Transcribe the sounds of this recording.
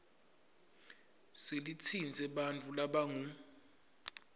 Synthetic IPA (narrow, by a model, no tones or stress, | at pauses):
selit͡sʰind͡zʱɛɓant͡fʰʼulaɓaŋu